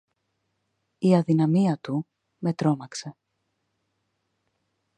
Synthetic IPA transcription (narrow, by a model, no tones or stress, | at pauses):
iɐðinɐmiɐt̪u | me̞t̪ɾo̞nɐkse̞